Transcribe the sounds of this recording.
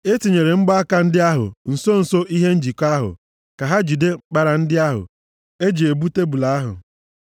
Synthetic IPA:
e˦ti˨ɲe˨ɾe˨ŋ͡m̩˦ɡ͡ba˦a˦ka˦n̩˦dɪ˦a˦ɦʊ̰˨n̩˨so˦n̩˨so˦ʔi˦ɦe˦n̩˦d͡ʒi˨ka˦ɦʊ̰˨ | ka˨ɦa˦d͡ʒi˨de˦k͡pa˨ɾa˨n̩˦dɪ˦a˦ɦʊ̰˨ | e˦d͡ʒi˨e˨bu˦te˦bu˨la˨a˦ɦʊ̰˨

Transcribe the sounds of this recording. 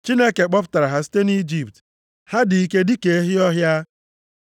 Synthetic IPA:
t͡ʃi˦ne˦ke˨k͡pɔ˦pta˨ɾa˨ɦa˨si̥˦te˦ni˦d͡ʒi˨pt | ha˦di˨i˦ke˦dɪ˦ke˨e˦ɦɪ˦ɔ˦ɦja˦

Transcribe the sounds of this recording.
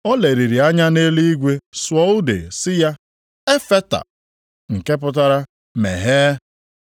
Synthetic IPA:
ɔ˦le˨ɾi˨ɾi˨a˦ɲa˦ne˦li˦ɡʷe˦sʊ˨ɔ˦ʊ˦dḛ˨sɪ˦ja˦ | e˦fe˦ta̰˨ | ŋ̩˨ke˦p̬ʊ˦t̬a˦ɾa˦ | mḛ˨ɦe˦

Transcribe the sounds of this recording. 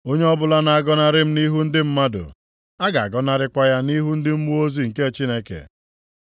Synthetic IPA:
o˦ɲe˦ɔ˦bʊ˦la˦na˨a˨ɡɔ˦na˦ɾɪ˦m̩˦ni˦ɦu˦n̩˦dɪ˦m̩˦ma˦dʊ̰˨ | a˦ɡa˨a˨ɡɔ˦na˦ɾɪ˦kʷa˦ja˦ni˦ɦu˦n̩˦dɪ˦m̩˦mu˦o˦zi˦ŋ̩˨ke˦˨t͡ʃi˦ne˦kḛ˨

